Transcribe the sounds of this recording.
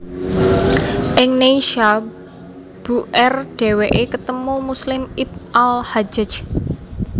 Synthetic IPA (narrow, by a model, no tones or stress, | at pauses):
ʔɪŋnejʃa | b̥uʔɛrɖ̥ɛ̤weʔekət̪əmumuslɪmip̚ʔalhad͡ʒə̥d͡ʒ